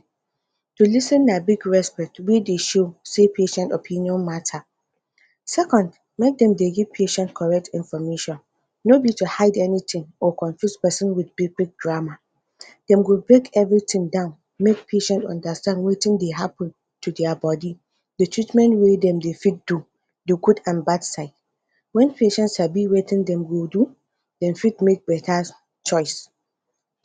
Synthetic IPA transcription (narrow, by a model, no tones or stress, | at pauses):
tulisɨ̃nːabiɡɹɛspɛk̚twedeʃosepʰeʃɛ̃ntɔpʰĩniɔ̃nmatʰa | sɛkʰɔ̃nd | mek̚dɛ̃mdeɡɛpʰeʃɛ̃ntkʰɔɹɛk̚tʰĩnfɔmeʃɔ̃nː | obitʰuhaɪdɛnitʰɪ̃ŋɔkʰɔ̃ɱfjuspɛsə̃nwɪdbiblik̚dɹama | d̥ɛ̃mwɪlbɹekʰɛvɹitʰɪ̃ŋdãʊ̃n | mek̚pʰeʃɛ̃ntɔ̰̃ndastãndwetɪ̃ŋdeɦapə̃n | tʰudɛabɔdi | dətʰɹitmɛ̃ntwedɛ̃mdefid̚du | duɡudãnbadsaɪt̚ | wɛ̃npʰeʃɛ̃ntsabiwetʰɪ̃ndɛ̃mwɪlˠdu | d̥ɛ̃nfid̚mek̚bɛtʰa | t͡ʃʰɔɪs